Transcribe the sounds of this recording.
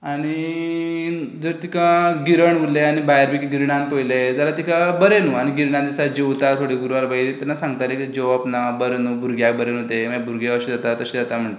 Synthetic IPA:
aɽ̃i | d͡zəɾt̪ikʰaɡiɾəɳʋuleaɽ̃ibajɾbikɡiɾɳãnpəjled͡zalat̪ikʰabəɾenuːaɽ̃iɡiɾɳãnd̪isad͡ʑewt̪at̪ʰoɽeɡuɾuʋalbaiɾit̪anːasãŋɡt̪alekd͡ʑeʋapnabəɾenuːbʱuɾɡjakbəɾenɦot̪eməbuɾɡjeʋaɕid͡zat̪at̪ːəɕed͡zat̪am̤əɳʈ̪e

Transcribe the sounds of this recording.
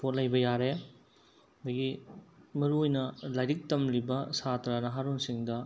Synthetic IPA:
pʰot̚lɐjbɐjaɾe | d̪ɐɡimɐɾuojnɐlajɾik̚tɐmlibɐsatɾanɐɦaɾonsiŋdɐ

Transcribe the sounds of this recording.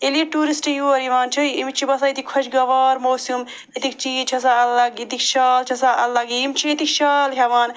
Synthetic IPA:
elijeʈuːɾisʈjuɐɾiʋaːnt͡ʃʰuimit͡ʃʰibɐsait̪ʰikʰːɐt͡ʃɡɐʋaːɾmoːsum | it̪ikt͡ʃiːt͡ʃʰɐsaɐlːɐɡit̪ikʃɐːlt͡ʃʰɐsaʔɐlːɐɡimt͡ʃʰiet̪ikʃaːlɦɐmaːn

